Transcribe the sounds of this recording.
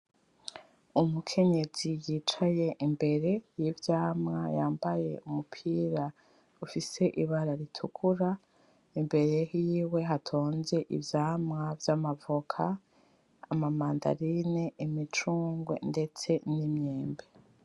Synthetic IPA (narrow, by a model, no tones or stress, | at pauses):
umukʰe̞ɲe̞z̥ijit͡ʃaje̞ʔimbe̞ɾe̞jivjaːmŋajaːmbaje̞̰ʔumupʰiːɾa | ufise̞ʔiβaɾaɾitʰukʰuɾa | imbe̞ɾe̞jiːwe̞ɦatʰo̞ːnze̞ʔḭvjaːmŋavjamavukʰa | a̰mamaːnda̰ɾineimit͡ʃuːŋɡwḛnde̞t͡se̞nimɲeːmbe